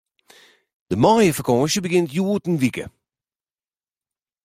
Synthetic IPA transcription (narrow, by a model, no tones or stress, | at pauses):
d̥əmɔːjəfəkʰɔːʃəbəɡɪntjuːtən̩ʋikə̰